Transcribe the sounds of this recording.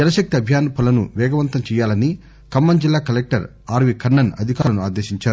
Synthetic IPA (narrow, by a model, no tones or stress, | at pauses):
d͡ʒɛnɐʃɐk̚t̪iɐbʱjaːnpʰɐlɐnṵʋɛːɡɐʋɐnt̪ɐmt͡ʃɛːjaːlɐni | kɐmːɐnd͡ʒilːaːkɐlek̚ʈɐ̰ɾ | aːɾʋikɐnːɐnɐ̰d̪ʱikaːlɐnuaːd̪eːʃiɲt͡ʃaːɾu